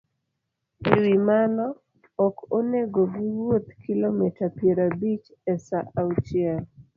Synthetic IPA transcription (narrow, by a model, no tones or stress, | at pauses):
ewimanɔ | ɔkoneɡoɡiwot̪kilomitapjeɾabit͡ʃ | ɛsaʔawt͡ʃiɛl